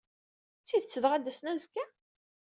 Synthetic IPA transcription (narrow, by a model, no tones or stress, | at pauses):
t͡sːiðt͡sːəðʁad̪ːæsnæzkːæ